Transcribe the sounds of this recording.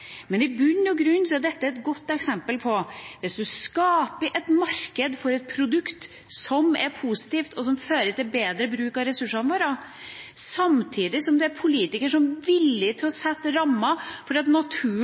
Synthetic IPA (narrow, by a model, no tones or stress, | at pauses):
mɛnɪbʉnːɔɡɾʉnːsɛd̪ɛt̪ːəæɾɛt̪ɡɔt̪ːɛksɛmpəlpʰɔʋɪsd̪ʉskɑːpəʔɛt̪mɑɾkəd̪fɔɾɛt̪̚pʰɾʊd̪ʉkt̪ | sɔmɛ̰ɾpʰuːsɪ̥t̪iːft̪ʰɔsɔmføːɾəʈ̪ɪlbeːd̪ɾəbɾʉːkɑɾɛsʉʂɑnʋoːɾɑ | sɑmt̪ʰiːd̪ɪsɔmd̪ɛæɾpʰʊliːt̪ɪkəʂɔmʋɪlːɪt̪ʰɪlɔsɛt̪ːɾɑmːɑfɔɖiːɑt̪nɑt̪ʰʉː